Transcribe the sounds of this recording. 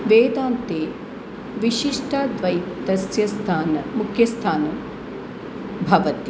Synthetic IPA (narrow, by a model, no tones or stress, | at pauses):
ʋeːd̪aːnt̪eː | ʋiʃiʂʈɐd̪ʋɐjd̪ɐsjɐst̪ʰaːnɐmukʰjɐst̪ʰaːnɐ | bʱɐʋɐt̪i